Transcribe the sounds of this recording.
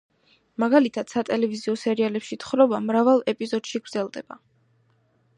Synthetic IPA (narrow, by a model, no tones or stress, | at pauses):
maɡalit̪ʰad̪̥sat̪ʼɛlɛviziɔsɛɾialɛpʃit̪ʰχɾɔbamɾavalˠɛpʼizɔd̪̥ʃiɡɾd̪zɛlˠd̪ɛba